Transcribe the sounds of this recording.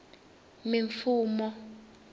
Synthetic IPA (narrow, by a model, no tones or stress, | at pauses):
miɱfuːmɔ